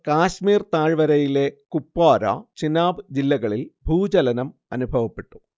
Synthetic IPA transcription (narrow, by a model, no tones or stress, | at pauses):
kaːɕmiːrt̪aːɻʋɐɾɐjile̞kupːaːɾɐ̰t͡ɕinaːbɨd͡ʑilːɐɣɐɭilbʱuːd͡ʑɐlɐnɐmɐnubʱɐʋɐpːe̞ʈːu̥